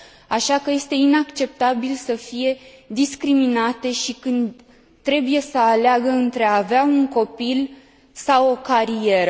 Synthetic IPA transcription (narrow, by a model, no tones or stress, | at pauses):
aʃakəje̞st̪e̞inakt͡ʃe̞p̚t̪abilsəfije̞d̪iskɾiminat̪e̞ʃikɨnd̪ | t̪ːɾe̞buje̞səaleaɡəɨnt̪ɾe̞aːveauŋko̞pil | sawo̞kaɾije̞ɾə